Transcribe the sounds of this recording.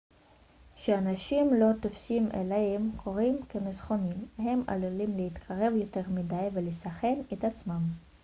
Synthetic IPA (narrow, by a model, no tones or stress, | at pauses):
ʃeanaʃimlo̞t̪ofsimʔḛlehemkʰo̞ʁimkemezχo̞nimhe̞ma̰lulimlehit̪kʰaʁe̞vjo̞te̞ʁmidajvelesaχe̞net̪at͡smam